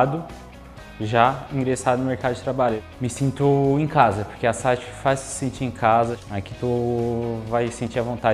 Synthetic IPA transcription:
d̪ʊ | ʒaĩɡɾesad̪ʊnʊ̃meɾkad̪ʊd͡ʒɪt̪ɾabaʎʊ | mɪsĩnt̪ʊẽkazɐpoɾkeasajt͡ʃɪ̥faz̥sẽnt͡ʃiẽkʰazɐakit̪o | vajsẽnt͡ʃiɾɐvõnt̪a

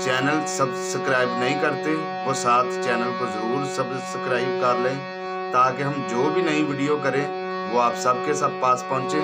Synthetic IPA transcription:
t͡ʃɛːnəlsəbsəkɾaːɪbnəɦĩːkəɾt̪eː | ʋoːsaːt̪ʰt͡ʃɛːnəlkozəɾuːɾsəb | səkɾaːɪb̚kəɾləẽː | t̪aːkeɦəmd͡ʒoːbʱinəĩʋiːɖijoːkəɾeː | ʋoːaːpsəb̚kesəb̚paːspɔ̃ːt͡ʃeː

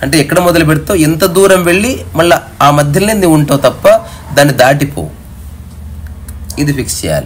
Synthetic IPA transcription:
ɐɳʈeɛkːɐɽemɔd̪ɐlubeɽt̪ːoːent̪ɐd̪uːɾɐmʋeɭːimɐllːɐ | aːmɐd̪ʱjɐlːenːiːʋuɳʈoːt̪ɐpːɐ | d̪aːnːid̪aːʈipo̰ː | id̪upiksija̰ːlɐ

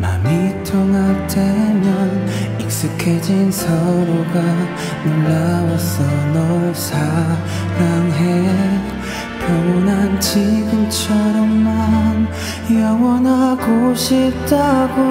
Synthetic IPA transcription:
ma̰mitʰoŋatemjʌn | ik̚s͈ɯkʰed͡ʑinsʰʌɾoɡa | nɯnːawʌsʌnʌɭsʰa | ɾaŋɦeje | pomunand͡ʑiɡɯmt͡ɕʰʌɾʌmːan | jʌŋʌnaɡoɕit͈aɡo

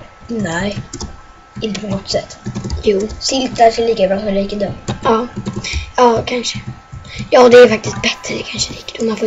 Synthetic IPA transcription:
nɛɪ | ɪnt̪əpʰɔnɔt̪ːsɛt̪ːjuːsɪlt̪aʂɛliːkabɾɑːsɔmd̪liːkəd̪umɑː | ɑːkʰanʂə̥ | jɑːd̪ɛæɾfak̚t̪ɪst̪̚bɛt̪ːɾəd̪ɛkʰanʂəliːkəd̪ʊmːanfoː

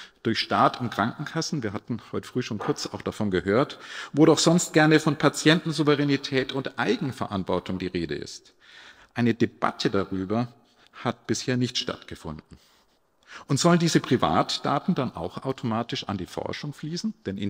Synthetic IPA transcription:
d̥ʊɐçʃtaːtɪntkʁ̥aŋkŋ̩kʰasn̩viːɐɦatn̩hɔʏtə̥fʁ̥yːʃoːnkʰʊɐt͡saʊxd̥afɔnɡəɦøːɐtvoːdɔxz̥ɔnst̚ɡ̥ɛɐnəfɔnpʰat͡sjɛntn̩zuvəʁɛnitʰɛːtʊntʔaɪɡŋ̩fɛɐʔantv̥ɔɐtʊŋdiːʁeːdə̰ʔɪ̰st | ʔaɪnədeb̥a̰tʰədaʁyːbɐ | hat̚b̥ɪsheːɐnɪçtʃta̰tɡ̥əfʊ̰ndn̩ | ʔʊntz̥ɔləndiːzəpʁ̥iva̰ːtd̥aːtn̩danʔa̰ʊxʔaʊtʰomaːtɪʃa̰ndiːfɔ̰ɐʃʊŋfliːsn̩d̥ɛnʔɪ

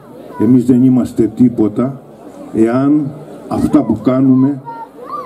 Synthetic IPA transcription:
e̞mizðe̞nimɐst̪e̞t̪ipo̞t̪ɐ | e̞ɐnɐft̪ɐpukɐnume̞

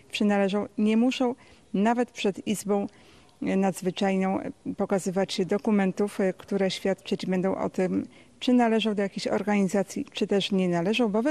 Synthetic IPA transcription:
t͡ʂɘnalɛʐɔ̃w̃ɲɛmuʂɔ̃w̃ | navɛt̪pʂɛd̪izbɔ̃w̃ | nad̪zvɘt͡ʂajnɔ̃w̃pɔkazɘvat͡ɕd̪ɔkumɛnt̪ufkt̪uɾɛɕfʲjat̪t͡ʂɛd͡ʑbɛnd̪ɔ̃w̃ʔɔ̰t̪ɘm | t͡ʂɘnalɛʐɔ̃w̃d̪ɔjakʲeɕɔ̰ɾɡaɲizat̪sʲjit͡ʂɘt̪ɛʂɲɛnalɛʐɔ̃w̃bɔv

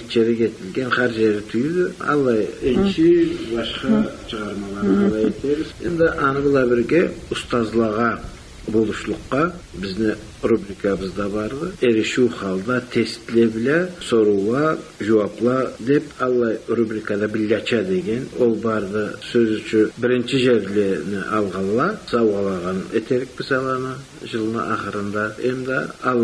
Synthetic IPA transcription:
t͡ʃʰeɾɛkʲʰet̪ʰɪlɡʲɛnχæɾʒeɾd̪ɪt̪ʰyjid̪ɪɑ̰lˠːɑjɪnt͡ʃʰɪbɑʃqɑt͡ʃʰəʁɑɾmɑlˠɑɾʁɑlˠɑjet̪ʰebɪzɪnd̪ɪʔɑnɨbɨlˠɑbɪɾɡʲɛʊst̪ɑzlˠɑʁɑ | bolˠuʃlˠʊqːɑbɪznɪ | ɾubɾikʰɑbɨzd̪ɑbɑɾd̪ɨeɾɪʃuwχɑlˠd̪ɑt̪ʰest̪lebɪlʲɛsoɾuɑʒuwɑplˠɑd̪epɑlˠːɑjɾubɾikad̪ɑbɪlʲːɑt͡ʃʰɑd̪eɡʲenwolˠbɑɾd̪əsøzyt͡ʃʰɪbɪɾɪnt͡ʃɪʒeɾlʲenɪʔɑlˠʁɑlˠːɑsɑwʁɑlˠɑʁɑnet̪ʰeɾɪk̚mɪsɑlˠənə | ʒəlˠənə̰ʔɑχəɾənd̪ɑemd̪ɪɑl

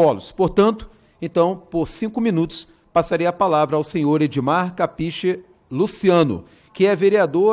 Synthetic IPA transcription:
ɔlʊspoɾt̪ɐ̃nt̪ʊ̥ | ẽt̪ɐ̃w̃poɾsĩkʊmĩnut̪ʊ̥s | pasaɾejɐpalavɾɐawsẽɲoɾed͡ʒimaɾkapiʃɪ | lusiɐ̃nʊ̰ | kɪɛveɾiad̪o

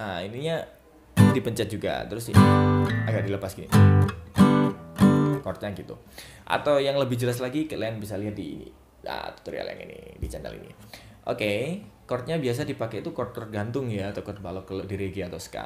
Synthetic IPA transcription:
ainiɲa | dipəɲt͡ʃat̪̚d͡ʒuɡa̰t̪əɾʊs | aɡaʔ̚diləpasɡinḭ | kɔrt̪̚ɲaɡit̪u | ʔa̰t̪awjaŋləbɪhd͡ʒəlas̬laɡikəlanbisaliɦat̪̚dinḭ | a̰t̪u̥t̪uɾia̰lɛ̰ŋḭnḭdit͡ʃana̰lḭnḭ | ʔo̰kekɔrt̪̚ɲabias̬adipaket̪ukɔrt̪ɔrdant̪ʊŋjaːt̪akɔrt̪̚balokəlodiɾeɡiat̪awsə̥ka̰

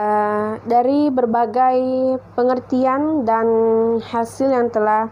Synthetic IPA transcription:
ədaɾibərbaɡajpəŋərt̪iandanhasɪljaŋt̪əlah

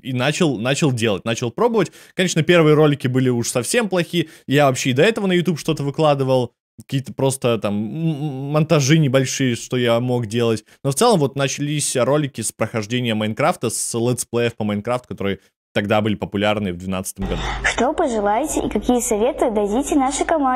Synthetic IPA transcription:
inat͡ɕɪlˠnat͡ɕɪlˠdʲe̞lˠət̚ʲnat͡ɕɪlˠpɾo̞bəvətʲ | kɐnʲe̞ʂnəpʲe̞rvɨjəɾo̞lʲɪkʲɪbɨlʲɪuʂsɐfsʲe̞mplˠɐxʲijavɐpɕːeɪd̪ɐɛt̪əvənəjʊt̪ʲupʂt̪o̞t̪əvɨklˠad̪ɨvəlˠ | kɐ̥kʲiːət̪əpɾo̞st̪ət̪amː | ɐnt̪ɐʐɨnʲɪbɐlʲʂɨjəʂt̪o̞jamo̞kdʲe̞lˠətʲnoft̪sɛlˠəmvo̞t̪nət͡ɕɪlʲisʲɾo̞lʲɪkʲɪspɾəxɐʐdʲenʲɪjəmɐɪnkɾaft̪əslˠɛt̪splˠejəfpəmɐɪnkɾaft̪kɐt̪o̞ɾɨə | t̪ɐɡd̪abɨlʲɪpəpʊlʲarnɨəvd̪vʲɪna̰t̪sɨ̥t̪əmɡɐ̰d̪uʂt̪opəʐɨlˠajtʲɪʔɪ̰kɐkʲijəsɐvʲet̪ɨd̪ɐdʲitʲɪnaʂɨkɐma

